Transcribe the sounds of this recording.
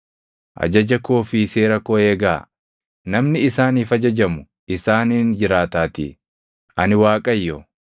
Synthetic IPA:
ʔɐ̰d͡ʒɐd͡ʒɐkoːfise̞ːɾɐkoeːɡaː | nɐmnɪɪsaːniːfɐd͡ʒɐd͡ʒɐmʊ | ɪsaːnind͡ʒɪɾaːt̪aːt̪ɪ̰ | ʔɐnɪwaːkʼɐjːɔ

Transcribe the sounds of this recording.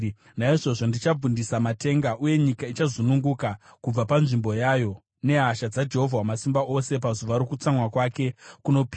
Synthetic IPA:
naiʐo̞ʐo̞ndit͡ʃab͡vundisamate̞ŋɡaʔuje̞ɲikait͡ʃazunuŋɡukakub͡vapanʐimbo̞jaːjo̞ | ne̞ɦaʃad͡zad͡ʒe̞ɦo̞vʱawamasimbaʔo̞se̞p̬azuʋaɾo̞kut͡samwakwaːke̞kuno̞pi

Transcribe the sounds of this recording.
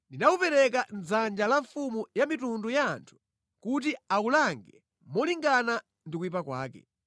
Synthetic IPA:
ndinaupɛɾɛk̬an̩zand͡ʒalaɱfumujamitundujaːntʰu̥ | kut̬iaulaŋɡɛ | mɔliŋɡana | ndikuipakwa̰ːkɛ̰

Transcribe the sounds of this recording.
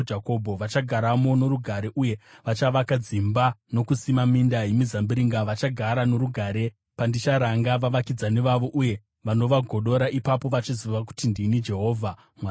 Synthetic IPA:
d͡ʒakobʱo̞ʋat͡ʃaɡʱaɾamo̞no̞ɾuɡʱaɾe̞ʔuje̞ʋat͡ʃaʋakad͡zimbano̞kusimamindajemizambiɾiŋɡaʋat͡ʃaɡʱaɾano̞ɾuɡʱaːɾe̞ | pandit͡ʃaɾaŋɡaʋaʋakid͡zane̞ʋaʋo̞ʔuje̞ | ʋano̞ʋaɡʱo̞ɗo̞ɾaʔipapo̞ʋat͡ʃiziʋaku̥tindinid͡ʒe̞ɦo̞ːvʱa | mwa

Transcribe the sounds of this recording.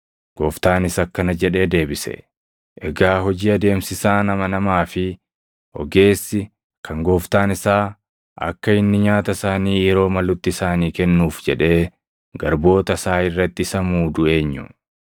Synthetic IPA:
ɡ̥oːft̪aːnɪsɐkːɐnɐd͡ʒɛᶑe̞ːd̪e̞ːbɪsɛ̰ | ʔɛɡaːɦɔd͡ʒiːɐd̪e̞ːmsɪsaːnɐmɐnɐmaːfɪ | ʔɔ̰ɡe̞ːsːɪ | kʰɐŋɡo̞ːft̪aːnɪsaː | ʔɐ̰kːɐɪnːɪɲaːt̪ɐsaːniːjɛɾo̞ːmɐlʊt̪ːɪsaːniːkɛnːuːfd͡ʒɛᶑe̞ː | ɡɐɾbo̞ːt̪ɐsaːɪrːɐt̪ːɪɪsɐmuːd̪ʊe̞ːɲːʊ̰

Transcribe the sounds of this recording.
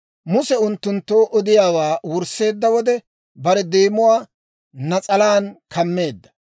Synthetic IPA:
mʊsɛʊnt̪ːʊnt̪ːoːʔɔd̪ɪjaːwaːwʊɾse̞ːd̪ːɐwɔd̪ɛ | bɐɾɛd̪eːmʊwaː | nɐt͡sʼɐlaːnkʰɐmːe̞ːd̪ːɐ̥

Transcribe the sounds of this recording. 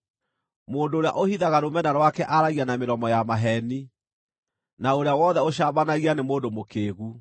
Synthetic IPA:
moːndoːɾea̰ʔohiðaɣaɾomɛnaɾwakɛʔaɾaɣianameɾɔmɔjamaɦɛni | naoɾeawɔðɛoɕaːbanaɣianemoːndomokeːɣu

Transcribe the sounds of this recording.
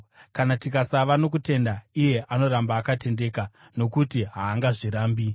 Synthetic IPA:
kanatikasaʋano̞k̬ute̞ndaije̞ʔano̞ɾambaːkate̞nde̞ːka | no̞kutiɦaːŋɡaʐiɾaːmbi

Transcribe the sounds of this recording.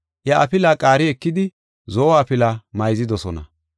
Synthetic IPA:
jɐɐpɪlakʼaːɾɪɛkːɪd̪ɪ | zɔɔaːpɪlamɐjzɪd̪ɔsɔnɐ̰

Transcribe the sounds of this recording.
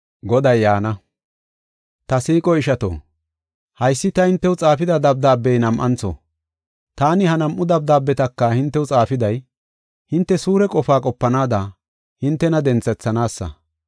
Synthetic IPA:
ɡɔd̪ɐjːaːnɐ | t̪ɐsiːkʼɔɪʃɐt̪o̰ː | hɐjsːɪt̪ɐhɪnt̪ːɛwt͡sʼaːfɪd̪ɐd̪ɐb̚d̪aːbːɛjnɐmʔɐ̰nt͡sɔ̰ | t̪aːnɪhɐnɐmʔːʊd̪ɐb̚d̪aːbːɛt̪ɐkːɐhɪnt̪ːɛwt͡sʼaːfɪd̪ɐj | hɪnt̪ːɛsuːɾɛkʼɔfaːkʼɔpːɐnaːd̪ɐ | hɪnt̪ːɛnɐd̪ɛnt͡sːɛt͡sːɐnaːsːɐ̰

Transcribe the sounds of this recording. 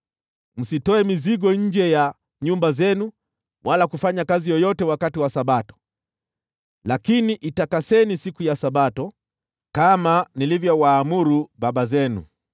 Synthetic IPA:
m̩sitɔɛmiziɠɔɲ̩d͡ʒɛja | ɲumbazɛnu | wʔalakufaɲakazijɔjɔtɛwakatiwasaɓatɔ̥ | lakiniʔitakasɛnisikujasaɓatɔ | kamanilivjɔwaːmuɾuɓaɓazɛnṵ

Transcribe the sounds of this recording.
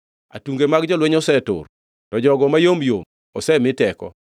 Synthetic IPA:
a̰tuŋɡemaɡd͡ʒɔlwɛɲɔsɛtʊ̰r | tɔd͡ʒɔɡɔmajomjo̰m | ɔ̰sɛmɪtɛkɔ̰

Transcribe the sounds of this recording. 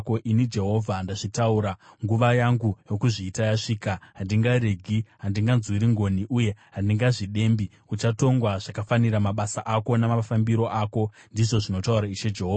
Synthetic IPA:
ko̞ʔinid͡ʒe̞ɦo̞vʱandaʐitauɾaŋɡuʋajaŋɡujo̞kuʐiːtajaʂiːkaɦandiŋɡaɾeɡʱiɦandiŋɡanzwiɾiŋɡo̞niʔuje̞ɦandiŋɡaʐiɗe̞mbi | ut͡ʃato̞ŋɡwaʐakafaniɾamaɓasaʔako̞namafambiɾo̞ʔako̞ndiʐo̞ʐino̞tauɾaiʃe̞d͡ʒe̞ɦoːva

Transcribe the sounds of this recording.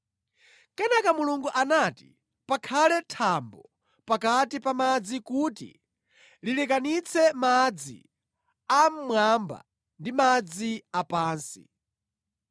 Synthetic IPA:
kɛnakamuluŋɡuʔanati | pakʰalɛtʰambɔ | pakatipamad͡zikuːtḭ | lilɛkanit͡sʰɛmad͡zḭ | am̩mwamba̰ | ndimad͡ziapaːnsḭ

